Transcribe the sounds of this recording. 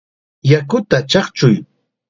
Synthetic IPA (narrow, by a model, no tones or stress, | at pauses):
jakʊt̪at͡ʃɑχt͡ʃʊj